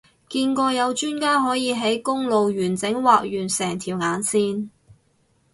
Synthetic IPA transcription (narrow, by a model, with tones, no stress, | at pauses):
kiː˧nkɔː˧jɐ˨˧wt͡ʃyː˥nkaː˥ɦɔː˨˥jiː˨˧ɦe˨˥jkʊ˥ŋlo˨wɥyː˨˩nt͡sɪ˨˥ŋwaː˨k̚jyː˨˩nsɛː˨˩ŋt̪ʰiː˨˩wŋaː˨˧˥nsiː˥n